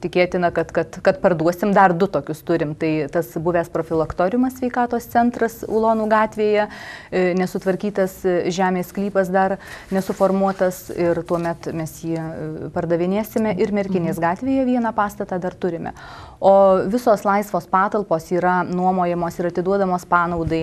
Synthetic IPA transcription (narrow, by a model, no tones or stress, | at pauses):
t̪ʲɪkʲeːt̪ʲɪnɐkɐt̪kɐt̪kɐt̪pɐrd̪uɔsʲɪmd̪ɐrd̪ʊt̪oːkʲʊst̪ʊɾʲɪmt̪ɐɪt̪ɐsbʊʋʲæːspɾoːfʲɪlˠɐkt̪oːɾʲɪmɐssʲʋʲɛɪkɑːt̪oːstt͡ssʲɛnt̪rɐsṵlˠoːnuːɡɑːt̪ʲʋʲeːjɛ | nʲɛsʊt̪ʋɐɾʲkʲiːt̪ɐsʒʲæːmʲeːsklʲiːpɐsd̪ɐɾnʲɛsʊfoːrmuɔt̪ɐsɪrt̪uɔmʲɛt̪mʲɛsjiːpɐrd̪ɐʋʲɪnʲeːsʲɪmʲɛʔɪrmʲɛɾʲkʲɪnʲeːsɡɑːt̪ʲʋʲeːjɛʋʲiɛnɑpɑːst̪ɐt̪ɑd̪ɐrt̪ʊɾʲɪmʲɛ̰ | oːʋʲɪsoːslˠɐɪsʋoːspɑːt̪ɐlˠpoːsiːɾɐnuɔmoːjɛmoːsɪɾɐt̪ʲɪd̪uɔd̪ɐmoːspɑːnɐʊd̪ɐɪ